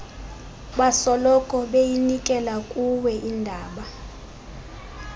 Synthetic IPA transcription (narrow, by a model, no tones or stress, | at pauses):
ɓasɔlɔkʼɔɓejinikʼɛlakʼuwɛʔindʱaːɓa